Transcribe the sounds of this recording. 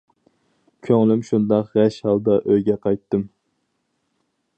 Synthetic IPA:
kʲʰøŋlɪmʃund̪ɑqʁæʃhɑlˠd̪ɑʔøjɡʲɛqʰɑjt̪ːɨm

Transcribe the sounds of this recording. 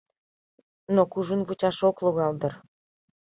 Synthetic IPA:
nokuʒunβut͡ɕɑʃokluɣɑld̪ə̆r

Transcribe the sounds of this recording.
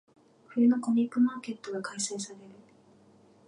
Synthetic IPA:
ɸɯ̟jɯno̞ko̞ɲʲikːɯ̟maːke̞t̪ːoɡakaisaisaɾe̞ɾɯ̟

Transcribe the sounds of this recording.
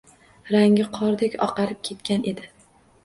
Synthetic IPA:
ɾaŋʲɪqʰɒɾd̪ekʲɒ̰qɑlɪp̚kʲʰe̞t̪kʲanʔe̞d̪ɪ

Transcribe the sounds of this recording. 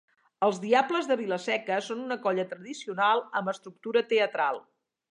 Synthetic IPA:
əlˠzðiabləzðəβiləsɛkəsonunəkɔʎət̪ɾəðisiunalˠəmbəst̪ɾuk̚t̪uɾət̪eət̪ɾalˠ

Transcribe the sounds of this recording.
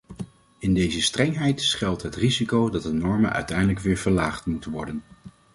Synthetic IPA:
ɪndejzəstrɛŋɦɛjtsχɛlˠtɦətrizikowdɑt̚dənɔɹmənʔœ̰ɥtɛjdələkʋɪːɹv̥əɹlaːχtmutənʋɔɹdən

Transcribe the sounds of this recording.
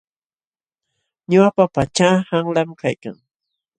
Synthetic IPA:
ɲʊapapat͡ʃaːhaŋlamkajka̰ŋ

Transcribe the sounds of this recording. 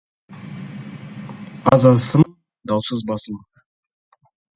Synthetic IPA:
ɑzɑɾsəm | d̪ɑwsəzbɑsəm

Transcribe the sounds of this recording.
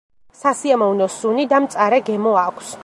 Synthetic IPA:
sasiamɔvnɔsunid̪amt̪sʼaɾɛɡɛmɔakʰs

